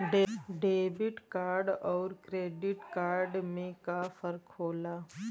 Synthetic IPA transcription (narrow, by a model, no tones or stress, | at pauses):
ɖeɖeːbɪʈkaːɾɖɔːɾkɾeːɖɪʈkaːɾɖmẽkafʰəɾkːoːlaː